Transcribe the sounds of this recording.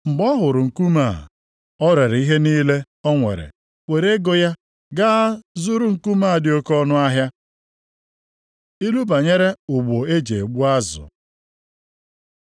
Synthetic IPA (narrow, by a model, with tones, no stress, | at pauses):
ŋ͡m̩˨ɡ͡bɔ˦ɦʊ˨ɾʊ˨ŋ̩˨ku˦maː˦˨ | ɔ˦ɾe˨ɾi˦ɦe˦niː˦le˦ | ɔ˦ŋʷḛ˨ɾḛ˨ | wʷe˨ɾe˦ɡo˨ja˦ | ɡaː˦zʊ˦ɾu˦ŋ̩˨ku˦maː˦˨dɪ˨o˦kɔ˦nʊ˦a˦ɦja˦ | i˦lu˦ba˨ɲe˦ɾe˦ʊ˨ɡ͡bo˨e˦d͡ʒe˨e˨ɡ͡bu˦a˦zʊ̰˨